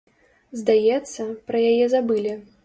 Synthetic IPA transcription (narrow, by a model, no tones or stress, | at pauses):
zd̪ajɛt̪sːɐpɾɐjajɛzabɨlʲi